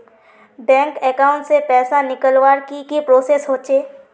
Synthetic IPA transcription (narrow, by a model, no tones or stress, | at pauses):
bɛ̃ːŋkɛkaːʊ̃ɳʈsepɛːsanɪkəlwaːɾkikipɾoːsesɦoːt͡ʃeː